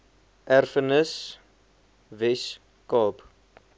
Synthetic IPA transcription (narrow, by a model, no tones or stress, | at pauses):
ʔærfənəs | vɛs | kɑːp